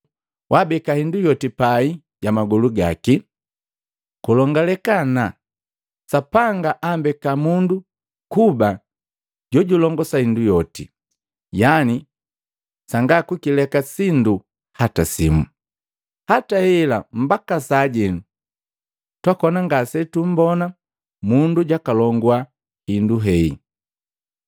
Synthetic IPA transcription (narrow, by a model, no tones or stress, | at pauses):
wʔabɛkahindujɔtipai | ɟamaɡɔluɡa̰ki | kulɔŋɡalɛkana | sapaŋɡaʔambɛkamundu | kuba | ɟɔɟulɔŋɡɔsahindujɔtḭ | jani | saŋɡakwukilɛkasindu | hatasimṵ | hatahɛlam̩bakasaːɟɛnu | twakɔnaŋɡasɛtum̩bɔna | munduɟakalɔŋɡwa | hinduɦɛḭ